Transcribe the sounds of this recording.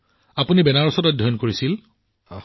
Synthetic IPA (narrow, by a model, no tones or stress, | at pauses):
apunibɛnaɹɔsɔtɔdʱɔjɔnkoɹisil